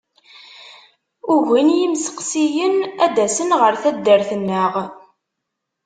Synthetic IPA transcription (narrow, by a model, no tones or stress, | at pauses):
ʊɣʷinjimsə̥qsijənæd̪æsənʁəɾθæd̪ːəɾθənːəʁ